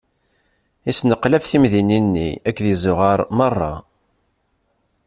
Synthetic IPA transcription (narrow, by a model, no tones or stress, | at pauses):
isnəqlæfθimðininːḭækːðizʊʁɑɾˤmərˤːɑ̰